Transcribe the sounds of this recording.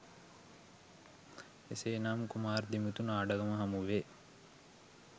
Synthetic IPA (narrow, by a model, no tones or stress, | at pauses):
eseːnaːmkumaːrd̪imut̪unaːɖɐɡɐmɐɦamuʋe